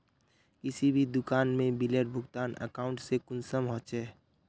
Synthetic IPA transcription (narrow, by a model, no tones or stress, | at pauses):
kɪsibʱid̪ʊkaːnmẽbileːʈ̚bʱʊɡt̪aːnə̰kaːʊɳʈsekʊnsəmɦɔ̃ːt͡ʃɛː